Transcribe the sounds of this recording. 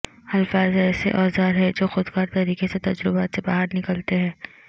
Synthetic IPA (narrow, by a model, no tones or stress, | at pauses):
hɐlfaːzɛːsḛʔɔːzaːɾɦɛd͡ʒoːxʊd̪kaːɾt̪ɐɾiːkeset̪ɐd͡ʒɾɪbaːt̪sebaɦaɾnɪkəlt̪eɦɛ̃ː